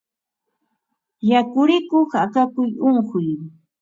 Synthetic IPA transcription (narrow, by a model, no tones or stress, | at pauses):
jakʊɾɪkoχakakʊjoɴhʊj